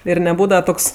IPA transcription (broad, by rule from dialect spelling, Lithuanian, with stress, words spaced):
ɪr nʲɛˈbuːdɐʋɐ ˈtoːks